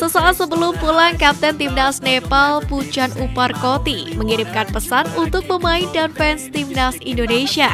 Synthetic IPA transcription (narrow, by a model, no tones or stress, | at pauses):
səsaat̪səbəlʊmpulaŋkap̚t̪ɛnt̪imnasnepalpud͡ʒanuparkot̪iməŋiɾɪmkanpəsanunt̪ʊk̚məmaɪndanfɛnst̪imnasindonesia